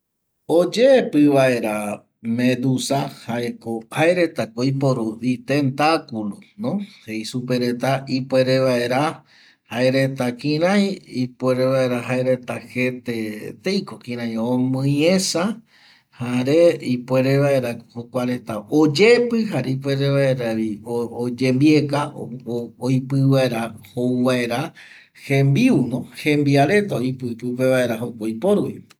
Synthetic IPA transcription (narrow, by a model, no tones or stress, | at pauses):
od͡ʒepɨʋae̞ɾa | mẽd̪usahaʔekohaeɾe̞t̪akoipoɾuit̪e̞nt̪akulonõhejsupe̞ɾe̞t̪aipʷe̞ɾeβaeɾa | haeɾe̞t̪akĩɾãjipweɾeβae̞ɾaɦaeɾe̞t̪ahet̪et̪ejkokĩɾ̃ãj̃õmɨ̃jesa | haɾeipʷe̞ɾeβaeɾahokʷaɾe̞t̪aod͡ʒe̞pɨɦaɾeip̬we̞ɾeβaeɾaɾiood͡ʒembie̞ka | ojpɨβaeɾahowβaeɾa | hẽmbiunõhẽmbiaɾe̞t̪aojpɨt̪up̬eβae̞ɾaɦokojpoɾuwḭ